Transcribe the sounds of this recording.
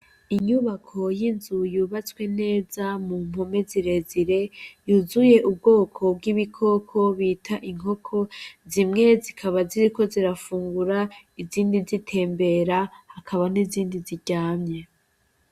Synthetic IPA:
iɲuβakʰo̞jinzujuβat͡swe̞ne̞ːzamum̥ho̞me̞ziɾe̞ziɾe̞juzuje̞ʔubɡo̞ːkʰo̞b̚ɡiβikʰo̞kʰoβiːtʰaʔiŋ̥ɦo̞kʰo̞zimŋe̞zikʰaβaziɾiko̞ziɾafuːŋɡuɾaiziːndizitʰe̞ːmbe̞ɾahakʰaβaniziːndiziɟaːmɲe̞

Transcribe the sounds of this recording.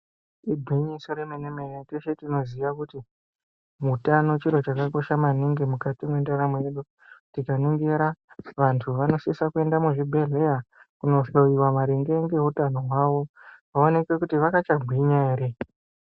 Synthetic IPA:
ibʱiɲisoɾemenemeneteʃe̞tino̞ziʋakuti | mutano̞t͡ʃiɾo̞t͡ʃakako̞ʃamaniŋɡimukatimwendaɾamejeɗu | tikaniŋɡeɾaʋantʰuʋano̞sisakue̞ndamuʐibʱe̞ɮe̞jakuno̞ʐoiwamaɾeŋɡeŋɡe̞ɦutano̞ɦwaʋo̞ʋao̞ne̞ke̞kutiʋakat͡ʃaɡʱiɲaeːɾe

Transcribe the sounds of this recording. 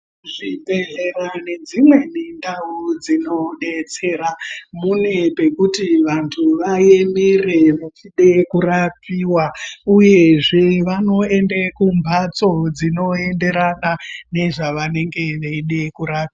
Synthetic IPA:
ʐibʱeɮerane̞d͡zimwe̞nendaud͡zino̞ɗet͡se̞ɾamune̞pe̞kutiʋantʰuʋajemereʋat͡ʃiɗe̞kurapiwauje̞ʐe̞ʋano̞e̞ndekumbʱat͡so̞d͡zino̞e̞nde̞ɾanane̞ʐaʋane̞ŋɡe̞ʋeiɗe̞kuɾapia

